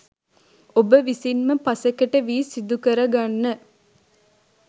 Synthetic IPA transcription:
obəʋisinməpɐsekəʈəʋiːsid̪ukəɾəɡanːə

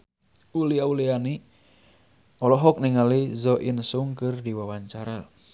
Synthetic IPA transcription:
uliauliani | ɔlɔɦɔk̚niŋalizɔʔinsuŋkɨrdiwawaɲt͡ʃaɾa

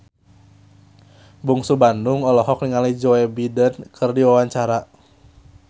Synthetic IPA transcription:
buŋsubandʊŋɔlɔɦɔk̚niŋalid͡ʒɔɛbidənkʰɨrdiwawaɲt͡ʃaɾa

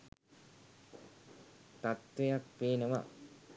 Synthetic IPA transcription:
t̪at̪ʋejak̚peːnəʋɐ̰

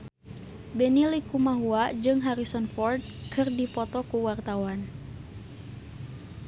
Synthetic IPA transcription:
bɛnilikumaɦuad͡ʒɨŋɦaɾisɔnfɔrd̚kʰɨrdipɔt̪ɔkuwart̪awan

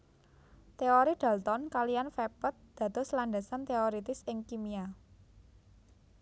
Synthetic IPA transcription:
t̪eoɾid̥a̤lt̪ɔnkalijanfepət̪̚d̪̥a̤t̪ɔ̤slaɳɖa̤sant̪eoɾit̪ɪsɪŋkimia

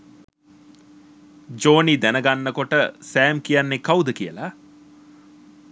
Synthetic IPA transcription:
d͡ʒoːnid̪ænəɡanːəkoʈəsæːmkijanːekawd̪əkijəla

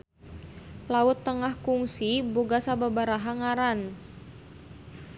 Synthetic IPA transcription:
laʊt̪ːəŋahkuŋsiboɡasababaɾaɦaŋaɾan

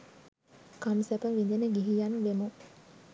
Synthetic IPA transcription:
kamsɛpɐʋind̪eneɡiɦijanuʋemu

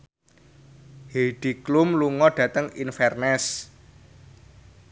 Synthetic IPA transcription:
heɖ̥iklumluŋɔɖ̥ä̤t̪əŋinfɛrnɛs

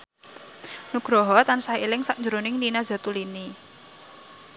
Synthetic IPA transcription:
nuɡ̥ɾɔɦɔt̪ansaelɪŋsaʔɲd͡ʒuɾonɪŋninaz̥a̤t̪ulini

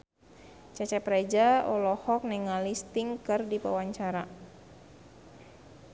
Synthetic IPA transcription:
t͡ʃɛt͡ʃɛpɾed͡ʒaɔlɔhɔk̚nɛŋalist̪iŋkɨrdipa̰waɲt͡ʃaɾa

